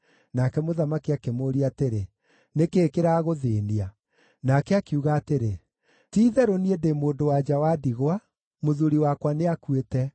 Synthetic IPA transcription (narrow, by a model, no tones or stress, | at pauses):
nakɛmoðamakiakemoːɾiateɾe | nekeːkeɾaɣoðeːnia | nakɛakeuɣaːteɾe | tiːðɛɾoniedemoːndowad͡ʒawadiɣwa | moðuɾiwakwaneakwetɛ